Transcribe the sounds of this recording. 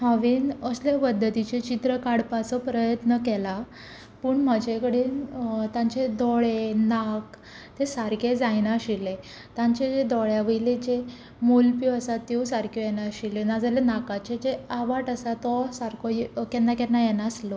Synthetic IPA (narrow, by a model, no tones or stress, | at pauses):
haʋiːnəslepəd̪ːət̪it͡ɕet͡ɕit̪ɾəkaɽpat͡sɔpɾəjət̪nəkɛla | pəːɳm̤əd͡ʑekəɽiːnt̪ãɲt͡ɕed̪ɔɭenak | t̪esaɾked͡zajnaɕile | t̪ãɲt͡ɕed͡zed̪ɔɭjaʋəiled͡ʑe | molpjoəsat̪ːeusaɾkojɛnaɕilenad͡zalenakat͡ɕed͡ʑeaʋaʈəsat̪ɔsaɾkojkɛnːakɛnːajɛnaslɔ